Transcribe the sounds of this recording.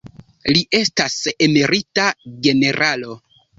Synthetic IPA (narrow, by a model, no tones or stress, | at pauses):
liʔe̞stasemiɾitaɡe̞ne̞ɾʔalo̞